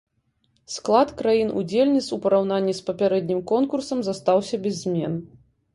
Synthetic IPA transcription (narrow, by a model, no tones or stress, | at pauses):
sklˠat̪kɾajinṵd͡zʲelʲnʲit̪supɐɾawn̪anʲːispɐpʲaɾɛd̪ʲnʲimkɔnkursɐmzast̪awsʲɐbʲɛzʲːmʲɛn